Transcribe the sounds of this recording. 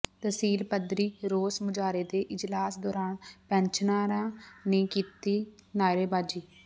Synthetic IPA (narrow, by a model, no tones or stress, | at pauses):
t̪əsiːlpəd̪ɾiːɾoːsmʊd͡ʒaːɾeːd̪eːʔɪd͡ʒlaːsd̪ɔːɾaːnpɛ̃ːɲt͡ʃʰnaːɾãːnẽːkiːt̪iːnaːɾeːbaːd͡ʒiː